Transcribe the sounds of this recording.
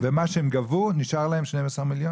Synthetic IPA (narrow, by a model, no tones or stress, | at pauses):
vemaʃeemɡavuniʃaʁlahemʃnejvɛsəʁmiljo